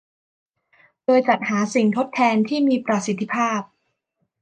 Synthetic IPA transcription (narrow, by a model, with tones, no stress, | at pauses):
doː˧jt͡ɕa˨˩t̪̚haː˩˦si˨˩ŋt̪ʰo˦˥t̪ʰːɛː˧nt̪ʰiː˥˩miː˧pɾa˧si˨˦t̪ʰːi˦˥pʰaː˥˩p̚